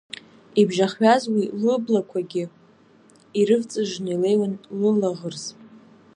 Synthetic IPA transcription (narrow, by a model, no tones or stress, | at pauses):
ibʒaχɥazwilɨblakʷʰaɡʲɪ | iɾɨvt͡sʼɨʒʷnejle̞jwanlɨlaʁərzʼ